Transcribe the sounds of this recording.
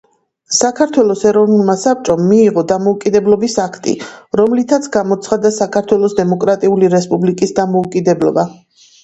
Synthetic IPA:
sakʰaɾt̪ʰwɛlˠɔsɛɾɔvnulˠmasap̚t͡ʃʼɔmːiːʁɔd̪amɔukʼid̪ɛblɔbisakʰt̪ʼḭɾɔmlit̪ʰat̪sʰɡamɔt̪sʰχad̪asakʰaɾt̪ʰwɛlˠɔsd̪ɛmɔkʼɾat̪ʼiuliɾɛspʼublikʼisd̪amɔukʼid̪ɛblˠɔba

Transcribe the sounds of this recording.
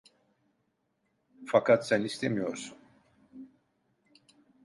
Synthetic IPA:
fakʰat̪sænist̪ʰemijo̞ɾsun

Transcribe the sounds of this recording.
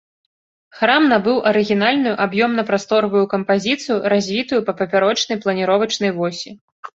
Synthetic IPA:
xɾamnabɨwʔɐɾɨɣʲinalʲnujuʔabjɔmnɐpɾast̪ɔɾɐvujukɐmpazʲit̪sɨjuɾazʲvʲit̪ujupɐpɐpʲaɾɔt͡ʂnɐjplˠɐnʲiɾɔvɐt͡ʂnɐjvɔsʲi

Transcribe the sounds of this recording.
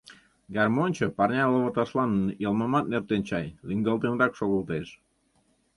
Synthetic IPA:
ɡʲɑrmonʲt͡ɕəpɑrnʲɑloβət̪ɑʃlɑnjəlmɑmɑt̪̚nert̪enʲt͡ɕɑjliŋɡəlˠt̪enɾɑkʃoɣulˠt̪eʃ

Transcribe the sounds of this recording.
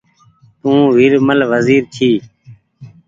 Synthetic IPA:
t̪ũːʋiɾməlʋəziːɾt͡ʃʰiː

